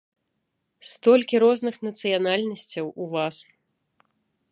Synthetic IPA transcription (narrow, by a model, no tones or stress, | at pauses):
st̪ɔlʲkʲiɾɔznɨxnɐt̪sɨjanalʲnɐsʲt͡sʲɐwuvas